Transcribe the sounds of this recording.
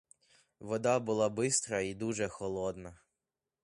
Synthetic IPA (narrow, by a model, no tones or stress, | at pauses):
ʋɔd̪ɑbʊlˠɑbɪst̪ɾɐid̪uʒɛxɔlˠɔd̪nɐ